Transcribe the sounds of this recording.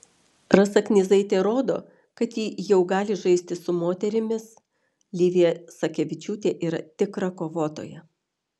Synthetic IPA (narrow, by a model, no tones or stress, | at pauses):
ɾɐsɐknʲɪzɐɪt̪ʲeːɾoːd̪o̰ː | kɐt̪jiːjɛʊɡɑːlʲɪʒɐɪsʲt̪ʲɪsʊmoːt̪ʲɛɾʲɪmʲɪs | lʲiːʋʲiɛsɐkʲɛʋʲɪt͡ʃʲuːt̪ʲeːʔiːɾɐ̰t̪ʲɪkɾɐkoːʋoːt̪o̰ːjɛ